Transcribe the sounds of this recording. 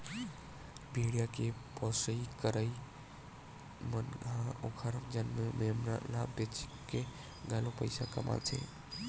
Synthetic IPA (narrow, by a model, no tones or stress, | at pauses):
bʱiɽijakepɔsəikəɾəj | mənɦãokʰəɾmd͡ʒənmememɾa̰labet͡ʃkːe | ɡalopəɪsakə̰mʔa̰lt͡ʃʰɛ̰